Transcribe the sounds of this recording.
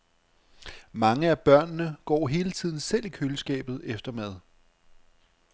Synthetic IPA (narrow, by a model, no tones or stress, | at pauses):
mɑ̈ŋəæb̥ɶɐ̰nːəɡ̥ɒ̰ːɦe̝ːlət͡sʰið̰ˠn̩sel̰ikʰøləsɡ̥ɛ̰ːb̥ð̞̩ˠefd̥ɐmæð̞ˠ